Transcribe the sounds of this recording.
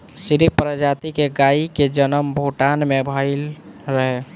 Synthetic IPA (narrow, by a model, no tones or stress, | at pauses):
siɾipɾəd͡ʒat̪ikeɡaiked͡ʒənəmbʱoʈanmebʱəɪlɾəɦɛ